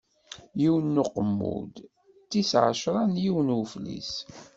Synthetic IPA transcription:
jiwənːʊqəmːṵd̪ | t͡sːisʕəʃɾˤɑnjiwənuflḭs

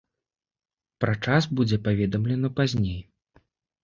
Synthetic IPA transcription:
pɾat͡ʂasbud͡zʲɛpavʲɛd̪ɐmlʲɛnɐpazʲnʲej

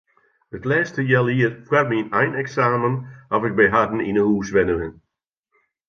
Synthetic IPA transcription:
ətlɛːstəjɛlˠiərfwarminɛjnɛksaːmənɔfɪɡ̚bɛjɦadn̩inəhuːsʋɛnəʋɪn

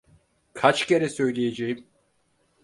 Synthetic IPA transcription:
kʰat͡ʃce̞ɾɛsø̞jlʲejed͡ʒejim

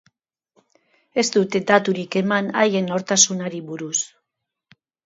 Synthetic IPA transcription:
e̞zt̪ut̪e̞d̪at̪uɾike̞manaje̞no̞ɾt̪asunaɾiβuɾus

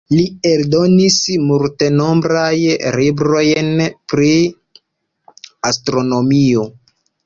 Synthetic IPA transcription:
lieldo̞nismulte̞no̞mbɾajɾibɾo̞jnpɾi | astɾo̞no̞mio

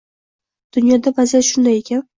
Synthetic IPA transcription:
d̪̥ʊnjɒd̪abazijaʃʊnd̪ajekʲʰan

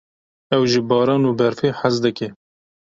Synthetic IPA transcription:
ɛwʒibɑːɾɑːnuːbɛɾfeːħazd̪ɨke

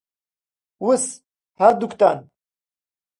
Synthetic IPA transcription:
wus | haɾd̪ukt̪an

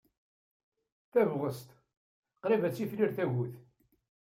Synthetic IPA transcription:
θævʁəst̪ | qɾivæt͡sːifliɾθæʝuθ

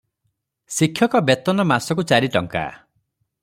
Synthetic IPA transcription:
sikʰːjɔkɔbet̪ɔnɔmasɔk̬ut͡ʃaɾiʈɔŋka̰

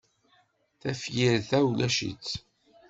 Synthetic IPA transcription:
θæfjiɾθæwlæʃḭt͡sː

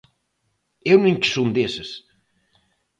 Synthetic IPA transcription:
ewnũɲksond̪esɨs

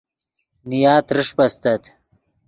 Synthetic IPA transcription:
nijaːt̪ɾɪʂpɐst̪ɐt̪

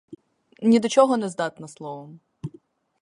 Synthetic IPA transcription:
nʲid̪ɔt͡ʃɔɦɔnɛzd̪ɑt̪nɐslˠɔʋɔm

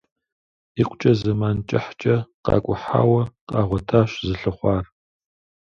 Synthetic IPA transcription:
iqʷt͡ʃʼɐzɐmaːnt͡ʃʼɪħt͡ʃʼɐqɑ̰ːkʷʼʊħa̰ːwɐqʼɑːʁʷɔtʰaːɕzɨɬɨχʷɑːr

